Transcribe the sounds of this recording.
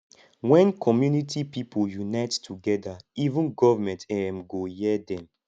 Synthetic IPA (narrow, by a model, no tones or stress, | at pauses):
wɛ̃nkʰɔmjunitʰipipʰoljunaɪttʰuɡɛdaivũnɡɔvamɛ̃ntɛmɡojɛdɛ̃m